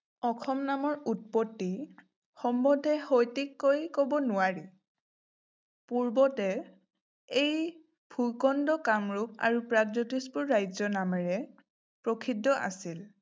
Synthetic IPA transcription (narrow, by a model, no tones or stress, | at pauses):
ɔkʰɔmnamɔɹut̚pɔtːi | xɔmbɔdʱɛhojtikːojkobɔnʊaɹi | puɹbɔtɛ | ej | bʱukɔndɔkamɹup̚a̰ɹupɹaɡzɔtispʊɹːajzɔnamɛɹɛ | pɹokʰidʱːɔʔa̰sil